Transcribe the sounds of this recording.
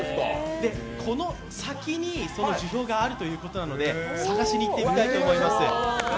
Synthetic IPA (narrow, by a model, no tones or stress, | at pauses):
d̪e̞ | kʰo̞no̞ | sakʲiɲ̟iso̞no̞ʑiço̞ːɡaːɾɯ̟t̪o̞jɯ̟ːko̞t̪o̞nano̞d̪e̞saɡaɕiɲʲiːt̪ːe̞mit̪ait̪oːmo̞imasɨ